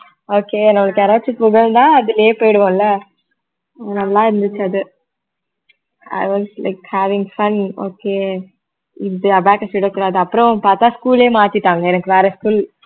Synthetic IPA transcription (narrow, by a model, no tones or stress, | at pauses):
oːkeːnɐmɐɭɯkːɛɾaːt͡ʃːɪpːɯɡɐɭd̪ãːɐðɯlɐjeːpoːjɽɯʋõːɪlːɐ | nɐmːɐlãːɪɾɯnd̪ɯt͡ʃːɐðɯ | a̰ɪʋɔslɐ̰ɪkhæːʋɪ̃ŋɡfɐno̰ːkeː | ɪd̪ɯɐbaːkɐsuːʈɐkːuːɽaːðɯɐpːɯɾɔ̃paːɾt̪ãːskuːleːmaːt̪ɪʈːaːŋɡɐɛnɐkːɯʋeːɾɐskuːl